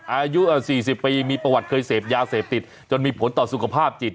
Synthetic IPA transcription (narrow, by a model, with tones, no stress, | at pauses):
ʔaː˧ju˦˥ʔːsiː˨˩si˨˩pːiː˧miː˧pɾa˧wa˨˩t̪̚kʰɤː˧jseː˨˩p̚jaː˧seː˨˩p̚t̪i˨˩t̪̚ | t͡ɕo˧nmiː˧pʰo˩˦nt̪ɔː˨˩su˨˩kʰa˧pʰaː˥˩p̚t͡ɕi˨˩t̪̚